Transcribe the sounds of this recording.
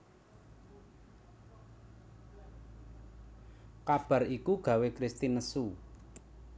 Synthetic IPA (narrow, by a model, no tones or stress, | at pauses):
kab̥a̤rikuɡ̥ä̤wekɾist̪inəsu